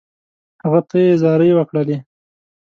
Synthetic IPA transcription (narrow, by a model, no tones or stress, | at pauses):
haɣat̪ʰajezɑɾəjwəkɽəle